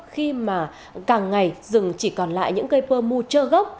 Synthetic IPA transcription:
xi˧maː˨˩ | kaː˨˩ŋːa˨˩jzɨ˨˩ŋt͡ɕi˧˩kɔ˨˩nla̰ː˧˨jɲɨ̰˧˥ŋkə˧jpəː˧mu˧t͡ɕəː˧ɣa˦˥wk͡p̚

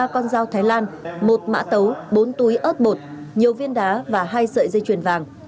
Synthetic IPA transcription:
aː˧kɔ˧nzaː˧wt̪ʰaː˨˦jlaː˧nmo˨˩t̚ma̰ː˧˥t̪ə˨˦wɓo˨˦nt̪u˨˦jʔəː˦˥t̚ɓo˨˩t̚ | ɲi˨˩əwvi˧ənɗaː˨˦vaː˨˩ɦaː˧jsə̰ː˧˨jzə˧jt͡ɕwi˨˩ənvaː˨˩ŋ

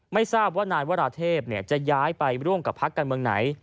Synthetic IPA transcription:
ma˥˩jsaː˥˩p̚waː˥˩naː˧jwaː˥˩ɾaː˧t̪ʰeː˥˩p̚ni˥˩ət͡ɕa˨˩ʔjaː˦˥jpa˧jɾu˥˩əmka˨˩pʰːa˦˥kːaː˧nmɯ˧əŋna̰˩˦j

